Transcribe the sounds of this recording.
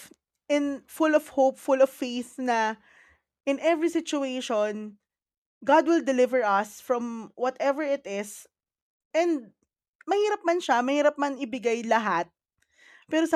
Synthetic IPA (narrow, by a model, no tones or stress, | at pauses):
ʔɪnfʊlɔvhopfʊlɔv̥ːejθnɐ | ʔɪ̃nʔɛvɹisɪt͡ʃʊeʃon | ɡad̪̚wɪld̪ɛlɪvɛɹʔɐsfɹɐ̃mwɔt̪ʔɛvɛɹɪt̪ɪs | ʔɛ̃nd̪̚ | mɐhiːɾɐp̚mɐnʃamɐhiːɾɐp̚mɐnɪbɪɡajlɐɦat̪̚ | pɛːɾos